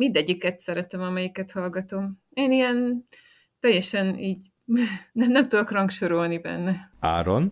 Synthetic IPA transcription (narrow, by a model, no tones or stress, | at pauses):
mind̪ɛɟːikɛt̪sɛɾɛt̪ɛmɒmɛjikɛt̪hɒlɡɒt̪o̞m | eːnijɛn | t̪ɛjːɛʃɛniːɟ | nɛmnɛmt̪ud̪okrɒŋkʃoɾolnibɛ̰nːɛa̰ːɾo̰n